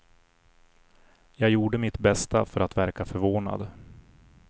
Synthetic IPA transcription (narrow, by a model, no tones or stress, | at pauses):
jɑːɡjuːɖəmɪt̪bɛst̪afœɾat̪væɾkafœɾvoːna̰d̪